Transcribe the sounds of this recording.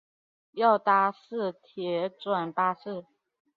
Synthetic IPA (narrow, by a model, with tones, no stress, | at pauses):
jɑ˥˩ʊt̪a˥sɹ̩˥˩t̪ʰjɛ˧˥t͡swa˨˩npa˥sɹ̩˥˩